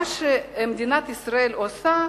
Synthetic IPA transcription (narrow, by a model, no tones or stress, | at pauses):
ʃemd̪inat̪isɾaelosa